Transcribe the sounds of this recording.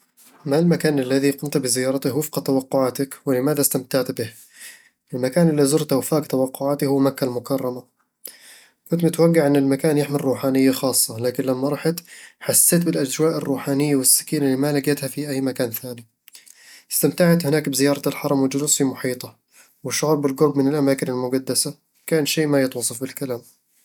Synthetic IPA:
malmakaːnalːaðiqʊmt̪bɪzɪjɑːɾˤɑt̪ɪwɪfqɑt̪awɑqːʊʕaːt̪akwɪlɪmaːðast̪amt̪aʕt̪bɪh | ʔɪlmakaːnɪlːizʊɾt̪awfaːkt̪awɑqːʊʕaːt̪ɪhʊwːmakːalmʊkɑrˤːɑma | kʊnt̪mɪt̪waɡːaʕʔɪnːɪlmakaːnjɪħmɪrːuːħaːnɪjːaxɑːsˤːɑlaːkɪnlamːaɾˤɑħɪt̪ħasːeːt̪̬bɪlʔad͡ʒwaːʔɪrːuːħaːnɪjːawɪsːɪ̥kiːnɪlːimalaɡat̪hafiʔajːmakaːnθaːni | ɪst̪amt̪aʕat̪hɪnaːkbɪzɪjɑːɾˤɑɪlħɑɾˤɑmwɪd͡ʒʊlsfimʊħiːt̪ˤɑ | wɪʃːʊʕuːɾˤbɪlɡʊɾˤbmɪnɪlʔamaːkɪnɪlmʊɡad̪ːasa | kaːnʃeːʔmajɪt̪wɑsˤɑfbɪlkalaːm

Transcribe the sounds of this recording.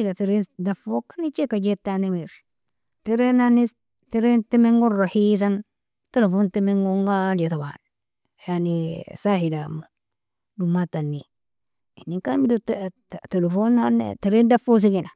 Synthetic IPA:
ilateɾedafokanit͡ʃekad͡ʒetːanimiɾ | teɾenani | teɾentemeŋɡoɾahis̬an | telefontemeŋɡoŋɡaletaba̰n | janisahilama | dumatːanːi | inːiŋkamidot | telefonanḛteɾendafos̬ikina

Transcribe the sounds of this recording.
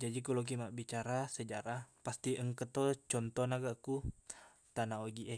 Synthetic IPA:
d͡ʒad͡ʒikulok̬imaʔbit͡ʃaɾasəd͡ʒaɾapast̪iʔəŋkət̪ɔt͡ʃɔnt̪ɔnaɡaku | t̪anaoɡiʔɛ

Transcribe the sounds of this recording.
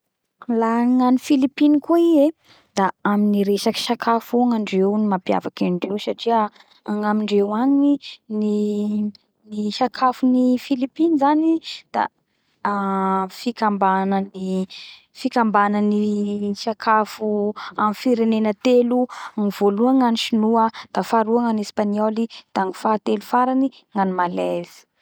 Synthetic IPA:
laŋanifilipinikuie | d̪̥aaminiɾesaki̥sakʰafuaŋaɳɖ͡ʐewnimapja̰vakaɳɖ͡ʐewsaʈ͡ʂiə | aŋamiɳɖ͡ʐewaŋini | niʃakʰafunifilipinizanid̪̥a̰ | fikambanəni | fikambanəniʃakʰafuamfiɾenenət̪eluaŋivoluaŋaniʃinuad̪̥afaɾuaŋanespaniɔlid̪̥aŋifat̪elufaɾani | ŋanimalezi̥

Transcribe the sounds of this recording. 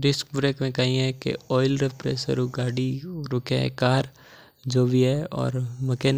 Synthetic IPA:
ɾɪsk̚bɾeːkmẽkaɦĩɦɛ̃kḛɔːɪlɾepɾḛːsə̰ɾuɡaːɽiɾʊkḛ̃kaːɾ | d͡ʒoːbʱiɦɛɔ̰ːɾməkeːn

